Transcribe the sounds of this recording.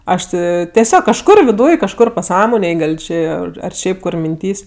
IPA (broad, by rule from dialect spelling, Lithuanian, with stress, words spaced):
ˈɐʃ tʲɪ tʲɛˈsʲoːk kɐʃˈkʊr ʋʲɪˈduːj kɐʃˈkʊr pɐˈsɑːmoːnʲeːj ˈɡɐlˠ ˈt͡ʃʲeː ɐr ˈʃʲɛɪp kʊr mʲɪnʲˈtʲiːsʲ